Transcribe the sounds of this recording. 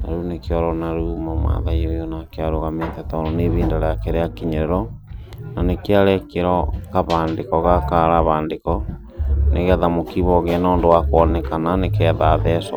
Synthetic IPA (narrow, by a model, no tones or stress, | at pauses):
na̰ɾunekeɔɾɔnaɾumɔmwa̰ðaiojɔnakeaɾoɣamentɛtaɾɔneβiːndaɾɛakeɾeakiɲeɾeɾɔnanekeaɾɛkeɾɔkaβaːndekɔɣakaɾaβaːndekɔ | neɣɛðamokiβɔɣeanoːndowakwɔnɛkananekɛðaðɛsɔ̰